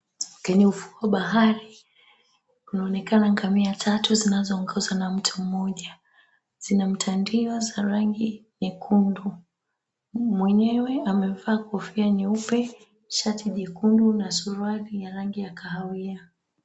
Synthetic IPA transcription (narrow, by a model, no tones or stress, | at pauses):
kɛɲɛufu̥waɓaɦaɾi | unaɔnɛkanaŋɡamiatʰatuzinazɔːŋɡɔzanam̩tʰum̩mɔʄa | z̥inam̩tʰandiɔzaɾaŋɡinikʰundu | mwɛɲɛwɛamɛvaːkɔfianiupɛ | ʃatʰiʄɛkundunasuɾwalijaɾaŋɡijakaɦawia